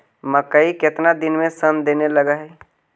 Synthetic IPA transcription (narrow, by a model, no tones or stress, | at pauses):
məkəikɪt̪nad̪ɪnmẽsənd̪eːnelɐɡaɦɛː